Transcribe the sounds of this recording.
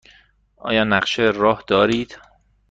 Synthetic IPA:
ʔɒ̰ːjɒːnæɢʃerɒːhd̪̥ɒːɾiːd̪̥

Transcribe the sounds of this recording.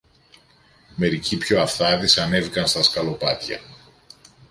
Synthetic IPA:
me̞ɾicipço̞ɐfθɐðisɐne̞vikɐnst̪ɐskɐlo̞pɐt̪çɐ̰

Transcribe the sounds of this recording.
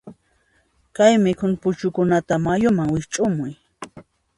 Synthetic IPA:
kajmɪkʰʊnpʊt͡ʃʊkʊnat̪amajʊmaŋwɪt͡ʃʼʊmʊj

